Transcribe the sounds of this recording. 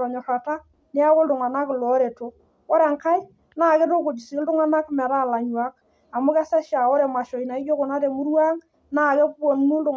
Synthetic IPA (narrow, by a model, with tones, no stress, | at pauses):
ɾɔ˨ɲɔ˨ra˨ta˦ | nɪ˦a˦kʊ˦ldʊ˨ŋa˨na˦klɔ˨˦ɾe˨to˨ | ɔ˦ɾa˨ŋka˦j | naː˦˨kɛ˦to˦ko˨d͡ʒi˨si˨˦ldʊ˦ŋa˦na˦kmɛ˨ɾa˦˨la˨ɲwa˦k̚ | a˨mʊ˦kɛ˦sa˦ʃa˨ɔ˦ɾɛ˨ma˨ʃɔ˨i˨na˨i˦jo˦ko˨na˦te˨mʊ˦ɾwaː˦ŋ | naː˦˨kɛ˦kɔ˨n˦nu˦ldʊ˨